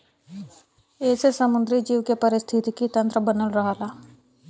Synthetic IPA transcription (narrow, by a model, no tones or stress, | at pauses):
eːsesəmʊ̃nd̪ɾid͡ʒiːʋkepəɾɪst̪ʰɪt̪ikit̪ə̃nt̪ɾəbənəlɾɐɦaːlaː